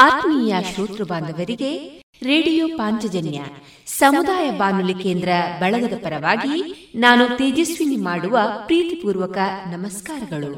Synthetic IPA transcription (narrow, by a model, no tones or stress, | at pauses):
ɐt̪niːjɐʃoːt̪ɾɐbaːnd̪ɐʋɐɾiɡe̞ | ɾeːɽijoːpaːɲt͡ʃɐd͡ʒɐnjɐ̰ | sɐmud̪aːjɐbaːnulikeːnd̪ɾɐbɐɭɐd̪ɐd̪ɐpɐɾɐʋaːɡinaːnut̪eːd͡ʒisʋinɡimaːɽuʋɐpɾiːt̪ipuːɾʋɐkɐnɐmɐskaːɾɐɡɐɭu